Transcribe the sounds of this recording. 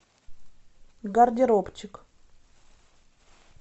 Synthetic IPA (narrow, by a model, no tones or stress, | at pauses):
ɡɐrdʲɪɾopt͡ɕɪk